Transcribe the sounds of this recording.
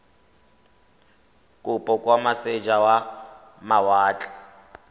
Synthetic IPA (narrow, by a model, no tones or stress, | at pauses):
kʼʊpʼɔkʼwamased͡ʒawa | mawaːt͡ɬʼḁ